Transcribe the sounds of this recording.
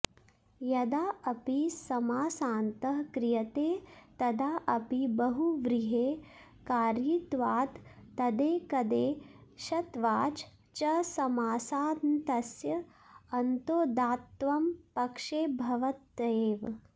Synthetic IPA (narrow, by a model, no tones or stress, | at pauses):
jɐd̪aːɐpisɐmaːsaːnt̪ɐɦkɾɪjɐt̪eːt̪ɐd̪aːʔɐpibɐɦuʋɾiɦeː | kaːɾjit̪ʋaːt̪ːɐd̪eːkɐd̪eːʃɐt̪ʋaːt͡ʃ | t͡ʃɐsɐmaːsaːd̪nt̪ɐsjɐ | ɐnt̪oːd̪aːt̪ʋɐmpɐkʂeːbʱɐʋɐt̪ːeːʋ